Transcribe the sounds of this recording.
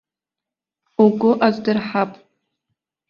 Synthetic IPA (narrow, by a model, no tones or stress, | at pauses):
uɡʷʊʔazdɨrħapʼ